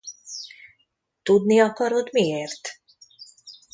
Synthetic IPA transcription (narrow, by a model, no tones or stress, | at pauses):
t̪ud̪niɔkɔɾod̪mieɾt̪